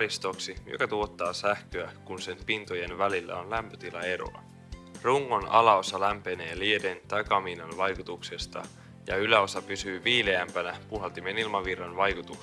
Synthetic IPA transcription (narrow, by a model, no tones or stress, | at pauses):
ɾist̪o̞ksijokɑt̪uo̞t̪ːɑːsæhkøækunse̞npint̪oje̞nʋælilːæ̰o̞nlæmpøt̪ilɑe̞ɾo̰lɑ̰ | ruŋːo̞nɑlɑo̞sɑlæmpe̞ne̞ːliedent̪ɑjkɑminɑnʋɑjkut̪ukse̞st̪ɑ̰ | jɑylæo̞sɑpysyːʋiːleæmpænæpuɦɑlt̪imenilmɑʋirːɑnʋɑjkut̪uks